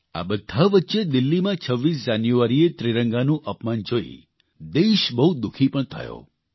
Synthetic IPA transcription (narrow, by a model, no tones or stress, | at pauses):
a̰bəd̪ʱːaʋətːʃed̪ɪlːimãt͡ʃʰəʋːisd͡ʒanjuaɾiet̪ɾiɾəŋɡanũʔəpmand͡ʒoḭ | d̪eʃbəɦud̪ukʰipəɳt̪ʰə̰jo̰